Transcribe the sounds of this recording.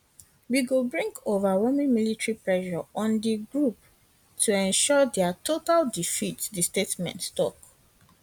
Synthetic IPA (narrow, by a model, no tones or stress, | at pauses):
wiɡobɹĩŋkʰovawɛmĩnmilitɹipɹɛʃɔɔ̃ndiɡɹup̚ | tʰuɛ̃nʃɔdɛatʰotaldifitdistetmɛ̰̃ntstɔk